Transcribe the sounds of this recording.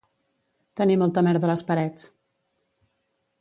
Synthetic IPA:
t̪ənimɔlˠt̪əmɛɾðələspəɾɛt͡s

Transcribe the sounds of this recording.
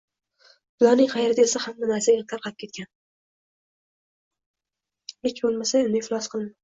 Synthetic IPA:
bʊlɒɾnɪŋqʰɑjaɾɪd̪elsahamːanasaelt̪ʰaɾqʰɑlɪp̚kʰʲe̞t̪̚kʲan | ekʲʰbolˠmasaemnɪflˠɒsqʰɨlˠmɪ

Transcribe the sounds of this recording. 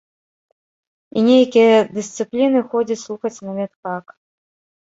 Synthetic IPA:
inʲejkʲijɐd̪ɨst̪sɨplʲinɨxɔd͡zʲɐt͡sʲslˠuxɐt͡sʲnɐmʲɛt̪kak

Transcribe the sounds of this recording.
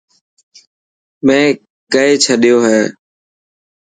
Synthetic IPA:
mẽː | kəeːt͡ʃʰəɗɪjoːɦɛː

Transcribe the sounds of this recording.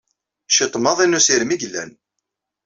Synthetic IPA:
ʃit̪ˤːmɑðˤinusiɾmiɡəlːæ̰n

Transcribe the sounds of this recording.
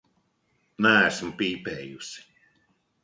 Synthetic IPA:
nææsm̩piːpɛːjusi̥

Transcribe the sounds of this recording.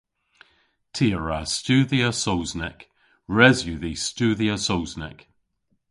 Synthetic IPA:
tʰiːəɹastʉːðiəsowznɛk | ɹɛzjʉðistʉðiəsowznɛ̰k

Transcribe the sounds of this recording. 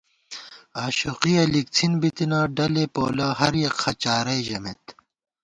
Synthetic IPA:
aːɕuqiɐlik̚t͡sʰinbit̪inaːɖɐlepoːlɐɦɐɾjɐkxɐt͡ɕaːɾɐjʑɐmet̪

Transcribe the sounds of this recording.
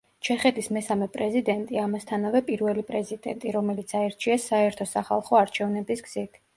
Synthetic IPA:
t͡ʃʰɛχɛt̪ʰismɛsamɛpʼɾɛzid̪ɛnt̪ʼiamast̪ʰanavɛpʼiɾvɛlipʼɾɛzid̪ɛ̰nt̪ʼiɾɔmɛlit̪sʰaɛɾt͡ʃʰiasaɛɾt̪ʰɔsaχa̰lˠχɔaɾt͡ʃʰɛvnɛbisɡz̥it̪ʰ

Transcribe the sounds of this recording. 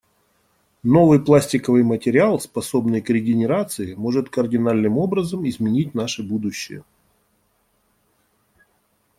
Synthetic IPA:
no̞vɨjplˠasʲtʲɪkəvɨjmətʲɪɾʲɪalˠspɐso̞bnɨjkɾʲɪɡʲɪnʲɪɾat̪sɨɪmo̞ʐɨt̪kərdʲɪnalʲnɨmo̞bɾəzəmɪzmʲɪnʲit̚ʲn̪aʂɨbud̪ʊɕːɪ̰jə̰

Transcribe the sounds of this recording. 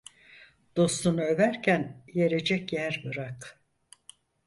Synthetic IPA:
d̪̥o̞st̪ʰunuø̞væɾcʰænje̞ɾe̞d͡ʒɛcjæɾbɯɾak

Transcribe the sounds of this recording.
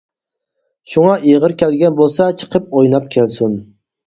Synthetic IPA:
ʃʊŋɑʔeʁɨɾkʲʰælɡʲanbolˠsat͡ʃʰɨ̥qʰɨp̚ojnap̚kʲʰelsʊn

